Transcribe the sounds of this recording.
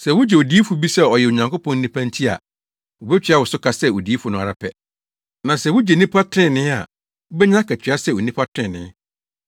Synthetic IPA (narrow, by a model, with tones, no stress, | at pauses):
sɛ˨wʊ˦d͡ʑɛ˨o˨di˦fu˨bi˦sɛ˦˨ɔ˨jɛ˨o˨ɲã˨ŋko˦pʰɔ̃˦n̩˦ĩ˦pʰã˦ntʰi˦a̰˨ | wo˨bɛ˦t͡ɕᶣi˨˦a˦˨wʊ˨sʊ˦kʰa˦sɛ˦o˨di˨˦i˦fu˨nʊ̃˨a˨ɾa˨pʰɛ˨ | nã˨sɛ˨wʊ˦d͡ʑɛ˨nĩ˦pʰa˦tʰɪ̃˦˨nɪ̃˦a̰˨ | ʊ˦bɛ˦ɲã˦kʰæ˨t͡ɕʰᶣɥa˦sɛ˦˨wo˨nĩ˦pʰa˦tʰɾɪ̃˦˨nɪ̰̃˨˦